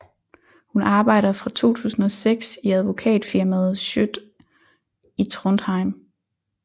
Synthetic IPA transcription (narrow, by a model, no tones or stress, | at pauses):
hunʔɑ̈ːb̥ɑ̈ɪ̰ɾ̥ɐfʁɑ̈t͡sʰo̝̰ːt͡sʰṵːsn̩ɒseɡ̥siæð̞ˠʋo̝kʰɛ̰ːd̥fiɐmæð̞ˠɕød̥ | it͡sʰʁɔnd̥hɑ̈ɪm